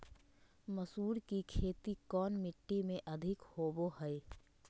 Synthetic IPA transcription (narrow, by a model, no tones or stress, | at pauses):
məsuːɾkikʰeːt̪ikɔːnmɪʈːimẽʔɐd̪ʱɪkhoːboɦɛe